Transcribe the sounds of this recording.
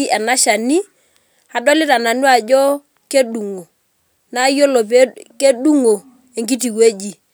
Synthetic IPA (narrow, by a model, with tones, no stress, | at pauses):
ɛ˨na˦ʃa˨ni˦ | a˨dɔ˦lɪ˦ta˨na˨nwa˨d͡ʒɔ˦ | ke˦du˨ŋo˨ | na˦jo˦lo˨p̬e˦ke˦ɗu˦ŋo˨ | e˨ŋɡi˦ti˨kwe˦d͡ʒi˨